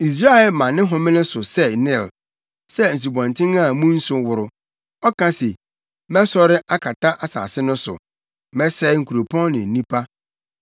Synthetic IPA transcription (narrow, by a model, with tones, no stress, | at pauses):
i˨s̬ɾa˦ɛ˨lmã˨nɪ̃˦ɦɔ̃˨mɪ̃˦nɪ̃˦sʊ˨sɛ˦˨nɪ̃˨l | sɛ˦n̩˨s̬u˨bɔ̃˨ntʰɪ̃˦ŋa˦˨˦mũ˦n̩˦sʊ˦wʊ˨ɾʊ˨ | ɔ˦kʰã˦se˨ | mɛ̃˦sɔ˦ɾɪ˦ʔa˦kʰa˨tʰa˦ʔa˨sa̰ː˨sɪ˦nʊ̃˦sʊ̰˨ | mɛ̃˦sɛ˦ɪ˦ŋ̩˨kʰu˨ɾo˨pʰɔ̃˦nnɪ̃˨n̩˨nĩ˦pʰa˦